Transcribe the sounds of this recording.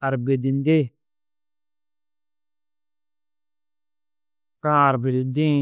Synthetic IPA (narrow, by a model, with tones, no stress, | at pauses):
a˨ɾbe˨di˨n˦de˦ | kã˦a˨ɾbe˨ɾi˨dĩ˦